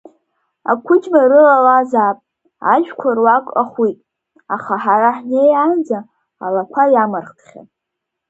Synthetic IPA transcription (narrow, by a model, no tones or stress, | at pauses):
a̰kʷʰʊd͡ʒmarɨlalazapʼ | a̰ʒᶣkʷʰarwakʼaχwitʼ | aχaħaɾaħnejand͡zaː | lakʷʰajamarχtʰχʲa̰tʼ